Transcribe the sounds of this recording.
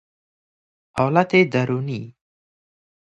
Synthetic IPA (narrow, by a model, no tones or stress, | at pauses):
hɔːlat̪ed̪aɾuni